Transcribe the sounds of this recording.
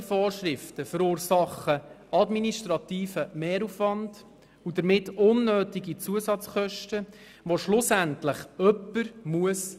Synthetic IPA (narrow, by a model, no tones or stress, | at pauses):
fɔːɾʃɾɪftəfəɾuːɾsɑχːə | ɑdminiʃtɾɑt̪iːfəmeːɾufʋɑnd̥ | udəɾmɪtʊnːøːtiɡit͡suəsɑt͡sχœʃtə | ʋoʃlʊsæntləχœpːəɾmuəs